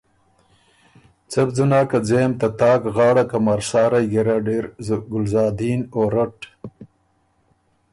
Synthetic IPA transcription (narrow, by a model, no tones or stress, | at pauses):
t͡sɐb̚d͡zunaːkad͡zeːmt̪at̪ɑːkɣɑːɽakamaɾsɑːɾajɡeɾaɖeɾzɡʊlzɑːd̪iːnoːɾaʈ